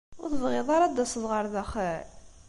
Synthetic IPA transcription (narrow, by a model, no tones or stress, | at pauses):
ʊθəvʁɪðˤɑɾˤɑd̪ːæsəðˤʁəɾˤðæχəʕ